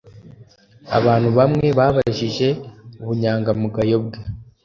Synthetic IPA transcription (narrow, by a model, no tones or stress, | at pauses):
a̰βaːn̥huβamŋe̞βaːβaʒiʒe̞uβuɲaːŋɡamuɡajo̞bɡe